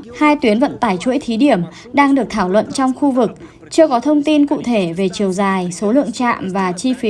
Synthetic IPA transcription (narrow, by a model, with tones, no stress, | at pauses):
haː˧jt̪wi˨˦ənvə̰˧˨nt̪aː˧˩jt͡ɕṵ˧˥jt̪ʰi˨˦ɗi˧˩əm | ɗaː˧ŋɗɨ˨˩ək̚t̪ʰaː˧˩wlwə̰˧˨nt͡ɕɔ˧wŋ͡mxu˧vɨ˨˩k̚ | t͡ɕɨ˧əkɔ˨˦t̪ʰə˧wŋ͡mt̪i˧nkṵ˧˨t̪ʰe˧˩ve˨˩t͡ɕi˨˩əwzaː˨˩jso˨˦lɨ̰˧˨əŋt͡ɕa̰ː˧˨mvaː˨˩t͡ɕi˧fi˨˦